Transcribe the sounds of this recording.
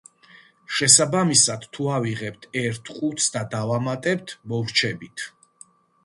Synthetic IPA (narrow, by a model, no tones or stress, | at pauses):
ʃɛsabamisad̪̥t̪ʰːuaviʁɛp̚t̪ʰɛɾt̪ʰqʼut̪sʰd̪ad̪avamat̪ʼɛp̚t̪ʰmɔvɾt͡ʃʰɛbit̪ʰ